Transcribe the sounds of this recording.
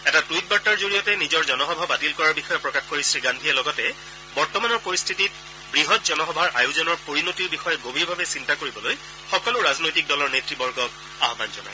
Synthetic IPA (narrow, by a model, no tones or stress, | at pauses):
ɛtatuit̚baɹtaɹzoɹijɔtɛnizɔɹzɔnɔxɔbʱabatilkɔɹaɹbixɔjɔpɹɔkaxkoɹisɹiɡandʱijɛlɔɡɔtɛ | bɔɹtɔmanɔɹpoɹist̪ʰitit̚ | bɹiɦɔtzɔnɔxɔbʱaɹʔajuzɔnɔɹpoɹinotiɹbixɔjɔɡobiɹbʱabɛsintakoɹibɔloj | xɔkɔlʊɹaznojtik̚dɔlɔɹnetɹibɔɹɡʱɔk | aɦɔbanzɔna̰j